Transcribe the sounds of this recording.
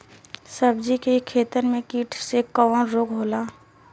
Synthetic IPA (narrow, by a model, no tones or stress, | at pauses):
səb̚d͡ʒikekʰeːt̪əɾmẽkiːʈʰsekəʋnɾoːk̚ɦoːlaː